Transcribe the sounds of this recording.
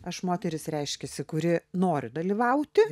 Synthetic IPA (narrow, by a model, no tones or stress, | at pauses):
ɐʃmoːt̪ʲɛɾʲɪsɾʲɛɪʃʲkʲɛsʲɪkʊɾʲɪnoːɾʲʊd̪ɐlʲiːʋɐʊt̪ʲɪ